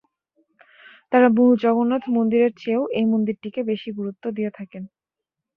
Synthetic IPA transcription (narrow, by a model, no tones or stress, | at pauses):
t̪aɾaboɦud͡ʑɔɡonːat̪ʰmond̪iɾeɾt͡ɕʰeoʔejmond̪iɾʈikebeʃiɡuɾut̪ːod̪ijet̪ʰaken